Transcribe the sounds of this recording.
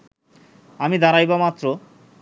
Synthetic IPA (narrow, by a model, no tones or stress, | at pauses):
amid̪aɾajbamat̪ːɾo